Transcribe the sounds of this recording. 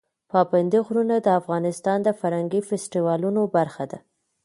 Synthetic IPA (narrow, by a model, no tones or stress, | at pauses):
pɑpand̪iɣɾunad̪əafɣɑnɪst̪ɑnd̪əfaɾhaŋɡifesʈiwɑlunobaɾxad̪a